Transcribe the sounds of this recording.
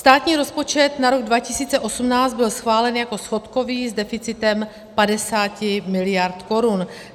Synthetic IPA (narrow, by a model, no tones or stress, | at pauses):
st̪aːt̪ɲiːɾo̞spo̞t͡ʃɛt̪naɾo̞ɡdvacɪsiːt͡sɛʔo̞sumnaːt͡sd̪bɪlsxvaːlɛnjako̞sfo̞t̪ko̞viːzdɛfɪt͡sɪt̪ɛm | padɛsaːcɪmɪlɪjaɾt̪ko̞ɾun